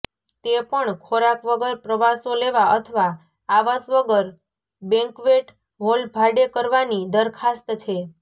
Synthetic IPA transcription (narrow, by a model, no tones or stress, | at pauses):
t̪epəɳkʰoɾakʋəɡəɾpɾəʋasoleʋaət̪ʰəʋa | aʋasʋəɡəɾ | bɛ̃ŋkʋeʈ | ɦolbʱaɖekəɾʋanid̪əɾkʰast̪t͡ʃʰe